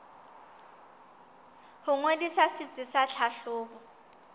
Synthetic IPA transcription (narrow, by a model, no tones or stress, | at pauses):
hʊŋwedisasɪt͡sʼɪsaɬʰaɬʊːbɔ